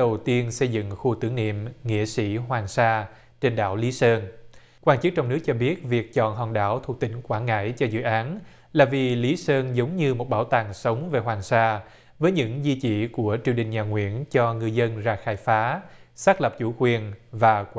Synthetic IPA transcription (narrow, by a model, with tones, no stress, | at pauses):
ə˨˩wt̪i˧ənsə˧jzɨ̰˧˨ŋxu˧t̪ɨ˨˦əŋnḭ˧˨əmŋḭ˧˥əsḭ˧˥ɦwaː˨˩ŋsaː˧ | t͡ɕe˧nɗa̰ː˧˩wli˨˦səː˧n | kwaː˧nt͡ɕɨ˦˥k̚t͡ɕɔ˧wŋ͡mnɨ˦˥k̚t͡ɕɔ˧ɓi˦˥ət̚vi˨˩ək̚t͡ɕɔ̰˧˨nɦɔ˨˩nɗa̰ː˧˩wt̪ʰu˨˩ək̚t̪ï˧˩˦ŋ̟kwaː˧˩nŋa̰ː˧˥jt͡ɕɔ˧zɨ̰˧˨ʔaː˨˦n | laː˨˩vi˨˩li˨˦səː˧nzə˨˦wŋ͡mɲɨ˧mo˨˩t̚ɓaː˧˩wt̪aː˨˩ŋsə˨˦wŋ͡mve˨˩ɦwaː˨˩ŋsaː˧ | vəː˨˦jɲɨ̰˧˥ŋzi˧t͡ɕḭ˧˩ku˧˩ət͡ɕi˧˩əwɗï˨˩ŋ̟ɲaː˨˩ŋwḭ˧˥ənt͡ɕɔ˧ŋɨ˧əjzə˧nzaː˧˩xaː˧˩jfaː˨˦saː˦˥k̚lə˨˩p̚t͡ɕu˧˩kwi˨˩ənvaː˨˩kw